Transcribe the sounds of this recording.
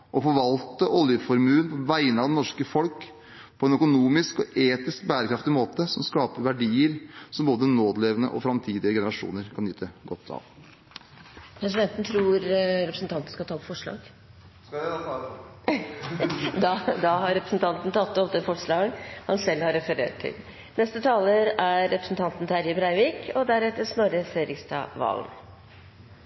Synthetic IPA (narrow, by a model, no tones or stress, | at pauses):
ʔɔfɔɾʋɑlt̪əʔɔljəfɔɾmʉːənpʰɔʋæɪənəɑʋd̪ɛnɔʂkəfɔlk | pʰɔɛnœkʊnuːmɪskɔʔeːt̪ɪsk̚bæːɾəkʰɾɑft̪ɪmoːt̪əsɔmskɑːpəɾʋæɖiːəɾsɔmboːd̪ənoːd̪əleːʋənə̰ʔɔfɾɑmt̪ʰiːd̪ɪəɡɛnəɾɑʂṵːnəɾkʰɑnjyːt̪ʰəɡɔt̪ʰːɑ̰ːʋ | pʰɾɛs̬ɪd̪ɛnt̪nət̪ʰɾuːɾɾɛpɾəsn̩t̪ɑnt̪n̩skɑt̪ɑːt̪fɔʂɭɑ̰ːɡ | d̪ɑd̪ɑɦɑɾɛpɾə̥snt̪ʰɑnt̪n̩t̪ʰɑt̪ːɔpd̪əfɔʂɭɑːɡənhɑnsɛlhɑɾɛfəɾḛːʈ̚t̪ʰɪ̰l | nɛst̪ət̪ʰɑːləɾæɾːɛpɾəsn̩t̪ʰɑnt̪n̩t̪ɪæɾjəbɾæɪʋiːkʰɔd̪æɾɛt̪ːəsnoɾəseːɾɪkst̪ɑ̰ʋɑ̰lm